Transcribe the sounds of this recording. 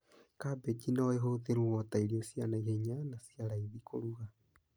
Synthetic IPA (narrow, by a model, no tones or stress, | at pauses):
kabet͡ʃinaeɦoðeɾuwɔtaiɾiɔsianaiheɲanasiaɾaiðikʰo̰ɾuɣa